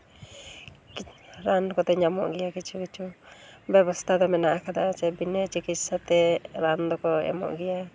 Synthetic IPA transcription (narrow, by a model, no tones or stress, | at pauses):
ɾankɔt̪ɛɲamɔ̰ʔɡɛjakit͡ʃʰukit͡ʃʰubɛbɔst̪ʰad̪ɔmɛnaʔakʰad̪aɔt͡ʃɛbinɛt͡ʃikit̪̚sat̪ɛɾand̪ɔkɔɛ̰mɔ̰ʔɡɛja